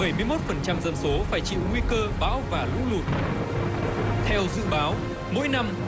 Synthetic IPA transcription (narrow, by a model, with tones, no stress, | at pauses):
ə˧˩jmɨ˧əjmo˦˥t̚fə˨˩nt͡ɕa˧mzə̰˧˨mso˨˦faː˧˩jt͡ɕḭ˧˨wŋwi˧kəː˧ɓa̰ː˧˥wvaː˨˩lṵ˧˥lu˨˩ət̚ | t̪ʰɛ˧wzɨ̰˧˨ɓaː˨˦w | mo̰˧˥jna˧m